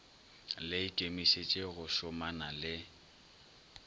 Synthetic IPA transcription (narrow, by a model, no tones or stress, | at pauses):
lɪɪkʼemiʃet͡ʃʼeɣʊʃʊmanalɪ